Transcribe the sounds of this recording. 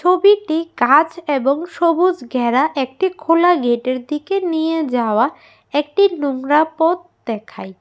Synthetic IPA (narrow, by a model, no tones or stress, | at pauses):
t͡ɕʰobiʈikat͡ɕeboŋʃobud͡ʑɡʱɛɾaʔek̚ʈikʰolaɡeʈeɾd̪ikenijed͡ʑaoa | ek̚ʈinuŋɾapot̪̚ | d̪ɛkʰa̰j